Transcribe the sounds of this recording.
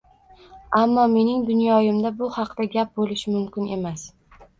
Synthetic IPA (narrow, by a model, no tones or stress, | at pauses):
amːɒme̞nɪŋd̪ʊnjɒjɪmd̪abʊhɑqd̪aɡʲap̚bolɪʃɪmʊmkʲɪne̞mas